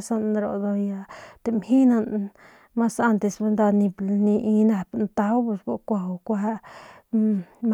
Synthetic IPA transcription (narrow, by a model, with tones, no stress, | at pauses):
sa˧nɾo̰˨d̪o˧ja˧t̪e˨mhi˦na˧n | ma˦sa˦nt̪e˧˨sba˧nd̪a˧ni˧blni˧ʔi˧na˧pnt̪a˧wbu˧sɡo˧kʷa˧wkʷa˧ | m